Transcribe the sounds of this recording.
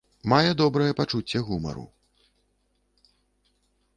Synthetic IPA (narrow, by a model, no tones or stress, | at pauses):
majɛd̪ɔbɾɐjɛpat͡ʂut͡sʲːɛɣumɐ̰ɾṵ